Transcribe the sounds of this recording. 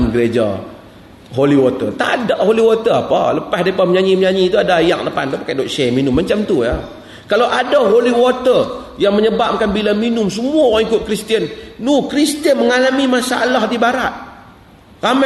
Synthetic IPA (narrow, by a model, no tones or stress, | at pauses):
mɡəɾed͡ʒa̰ | ɦoliwot̪ə̰t̪a̰daʔholiwot̪əapə̰ləpasdepaməɲaɲiməɲaɲit̪uadaja̰k̚lapa̰nt̪upakadoʔsɛminʊmːat͡ʃamt̪uja̰ | kalawʔadaɦoliwot̪ə | jaŋməɲəbap̚kanbilaminʊmsəmuaŋikʊt̪̚kɾist̪iənːukɾist̪iənməŋalamimasaalahdibaɾa̰t̪̚ | kam